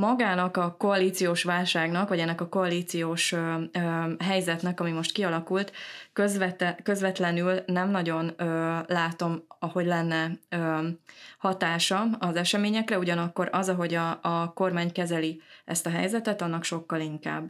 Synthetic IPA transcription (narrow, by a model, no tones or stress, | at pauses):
mɒɡaːnɒkɒko̞ɒliːt̪sijoːʃʋaːlʃaːɡnɒkʋɒɟɛnːɛkɒko̞ɒliːt̪sijoːʃ | ɦɛjzɛt̪nɛkɒmimo̞ʃt̪kiɒlɒkult̪køzʋɛt̪kø̞zʋɛt̪lɛnylnɛmnɒɟo̞nøːlaːt̪o̞mɒho̞ɟlɛnːɛø | hɒt̪aːʃɒɒzɛʃɛmeːɲɛkrɛuɟɒnɒkːo̞ɾɒzɒɦo̞ɟɒːko̞rmaːɲkɛzɛliɛ̰st̪ɒɦɛ̰jzɛt̪ɛt̪ɒnːɒkʃo̞kːɒliŋka̰ːbː